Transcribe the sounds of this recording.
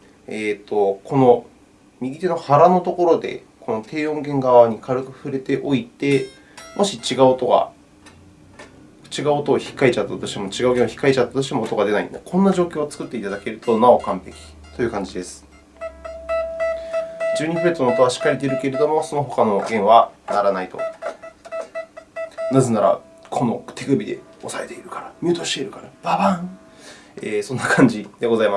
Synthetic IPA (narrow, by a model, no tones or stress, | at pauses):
eːt̪o̞kʰo̞no̞ | mʲiɡʲit̪e̞no̞haɾano̞t̪oko̞ɾo̞d̪e̞̰ | kʰo̞no̞t̪ʰe̞ːõ̞ŋɡẽ̞ŋɡaβaɲ̟ikʰaɾɯ̟kɯ̟ɸɯ̟ɾe̞t̪e̞ʔo̞it̪e̞ | mʔo̞ɕit͡ɕiɡaɯt̪o̞ɡa̰ | t͡ɕiɡaɯt̪oːçi̥kːaet͡ɕat̪ːat̪o̞ɕi̥t̪emo̞t͡ɕiɡaɯ̟ɡẽ̞oçʲi̥kːaet͡ɕat̪ːḁt̪o̞ɕ̬i̥t̪emoːt̪oɡad̪e̞naḭ̃nd̪akʰõ̞nːaʑo̞ːkʲoːt͡sɨ̥kɯ̟t̪ːe̞it̪ad̪ake̞ɾɯ̟t̪o̞nao̞kãmpe̞kʲi̥t̪o̞jɯ̟kãɲ̟d͡ʑid̪e̞sɨ̥ | d͡ʑɨːɲ̟ipɯet͡sɨnoːt̪o̞aɕi̥kːaɾʲet̪eɾɯ̟ke̞ɾe̞d̪o̞mo̞so̞no̞ɦo̞kano̞ɡẽ̞ɰ̃βanaɾanait̪o̞̰ | nazenaɾa̰ | kʰo̞no̞t̪e̞kɯ̟bʲid̪e̞̰o̞sae̞t̪e̞iɾɯ̟kḁɾamʲɨːt̪o̞ɕi̥t̪e̞iɾɯ̟kaɾab̥abãŋ | eːsõ̞nːakʰãɲ̟d͡ʑid̪̥e̞ɡo̞zaima